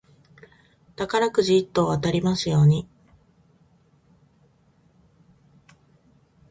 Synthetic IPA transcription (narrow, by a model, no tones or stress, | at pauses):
t̪akaɾakɯ̟ʑiːt̪ːo̞ːβat̪aɾʲimasɨjo̞ːɲ̟i